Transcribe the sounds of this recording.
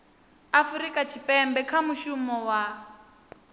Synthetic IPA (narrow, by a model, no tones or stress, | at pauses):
afuɾikʼat͡ʃʰipʼɛmbɛkʰamuʃumɔwa